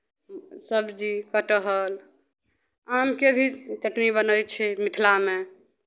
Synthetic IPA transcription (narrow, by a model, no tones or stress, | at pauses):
səbd͡ʒikəʈəɦəl | amkebʱit͡ʃəʈnibənəjt͡ʃʰɛmit̪ʰlame